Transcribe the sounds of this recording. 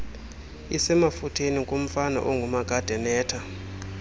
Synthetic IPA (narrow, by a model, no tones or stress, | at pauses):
isɛmafutʰenikʼom̩fana̰ʔɔŋɡʱumaɡ̥ʱad̥ʱɛnɛːtʰa